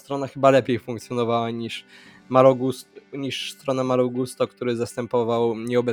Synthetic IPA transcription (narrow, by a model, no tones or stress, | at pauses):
st̪ɾɔnaxɘbalɛpʲjejfuŋkt̪sʲjɔnɔvawaɲiʂ | maɾɔɡusɲiʂst̪ɾɔnamaɾuɡust̪ɔkt̪uɾɘzast̪ɛmpɔvawɲɛɔbɛ